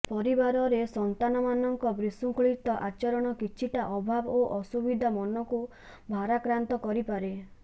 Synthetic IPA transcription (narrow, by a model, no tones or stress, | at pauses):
pɔɾibaɾɔɾesɔnt̪anɔmanɔŋkɔbɾisuŋkɭit̪ɔʔat͡ʃɔɾɔɽ̃ɔkit͡ʃʰiʈaʔɔbʱaboʔɔsubid̪ʱamɔnɔku | bʱaɾakɾant̪ɔkɔɾipaɾe